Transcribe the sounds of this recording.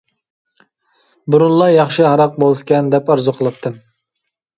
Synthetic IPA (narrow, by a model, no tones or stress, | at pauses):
bʊɾunlˠɑjɑχʃɨɦɑɾɑq̚bolˠʃkʲɛnd̪ɛpɑɾzʊqʰəlˠɨp̚t̪ʰːɨm